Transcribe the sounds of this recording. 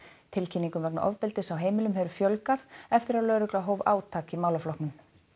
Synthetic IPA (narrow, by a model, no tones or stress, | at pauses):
t̪ʰɪlcʰiniŋkʏmvɛkna̰ʔɔ̰vpɪlt̪ɪsawɦeːjmɪlʏmɦɛvʏɾfjœlkaðɛft̪ɪɾaðlœːɾʏklaɦoːwvaːwt̪ʰaːkimaːwlaflɔknʏm